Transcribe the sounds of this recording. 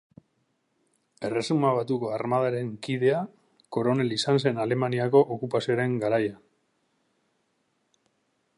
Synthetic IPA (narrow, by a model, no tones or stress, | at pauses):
e̞re̞sumaβat̪uko̞aɾmað̞aɾe̞ŋkiðe̞a | ko̞ɾo̞ne̞lisanse̞nale̞maniako̞ʔokupasio̞ɾe̞ŋɡaɾaja